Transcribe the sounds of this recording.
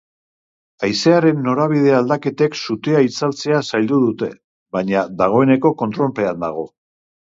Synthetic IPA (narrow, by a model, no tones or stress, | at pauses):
ajse̞aɾe̞nːo̞ɾaβ̞ið̞e̞ald̪ake̞t̪e̞ksut̪eait͡salt͡se̞asajʎld̪uð̞ut̪e̞ | βaɲaðaɣ̞o̞e̞ne̞ko̞ko̞nt̪ɾo̞lpe̞and̪aɣ̞o̞